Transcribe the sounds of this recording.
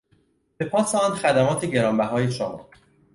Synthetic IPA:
be̞pʰɒːsɒːnxæd̪æmɒːt̪ʰeɟe̞ɾɒːmbæɦɒːjeʃomɒ̰ː

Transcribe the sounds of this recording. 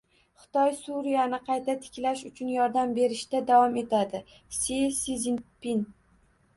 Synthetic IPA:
χɨ̥t̪ɒjsuɾijanɪqʰɑjt̪ʰat̪ʰɪ̥kʲlaʃʊt͡ʃʰʊnjɒɾd̪ambe̞ɾɪʃt̪ad̪avwɒme̞t̪ʰad̪ɪ | sisizinpin

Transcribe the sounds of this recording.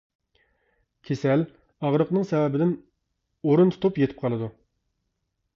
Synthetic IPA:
kʲʰesɛl | ɑʁɾəqnɨŋsɛwɛbɪd̪ɪn | oɾunt̪ʰʊ̥t̪ʰupjet̪ʰɪ̥p̚qʰɑlˠɨd̪u

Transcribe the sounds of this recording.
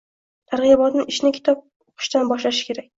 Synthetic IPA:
t̪ʰaɾʁɨjabɒt̪nɪɪʃnɪkʲʰɪ̥t̪ʰɒp̚ | oqʰɨ̥ʃt̪anbɒʃlaʃɪ̥kʲʰe̞ɾak̚ʲ

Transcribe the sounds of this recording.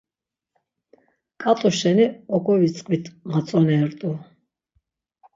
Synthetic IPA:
kʼat̪ʼuʃɛniɔɡɔvit͡sʼqʼvit̪ʰmat͡sʼɔnɛːɾt̪ʼu

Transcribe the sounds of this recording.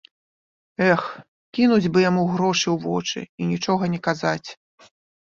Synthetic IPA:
ɛx | kʲinud͡zʲbɨjamuɣɾɔʂɨwvɔ̰t͡ʂɨ̰inʲit͡ʂɔɣɐnʲɛkazat͡sʲ

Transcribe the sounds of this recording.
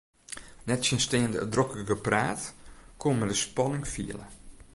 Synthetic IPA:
nɛtsjənsteːəndədrokəɡəpraːtkʰomɛdəspɔnɪŋfḭələ̰

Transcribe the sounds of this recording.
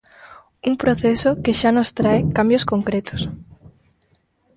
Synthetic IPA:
uŋpɾoθesokeʃanost̪ɾaekambjoskoŋkɾet̪o̥s

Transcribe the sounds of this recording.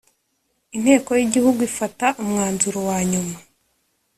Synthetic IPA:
in̥he̞ːko̞jiɟihuɡuifataʔumŋaːnzuɾowaːɲuma

